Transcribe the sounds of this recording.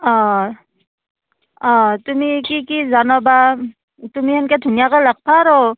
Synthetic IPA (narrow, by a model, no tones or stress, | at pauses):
ɔ̃ | ɔ̃tumikikizanɔba | tumihɛnkɛdʱunijakajlak̚pʰaɾɔ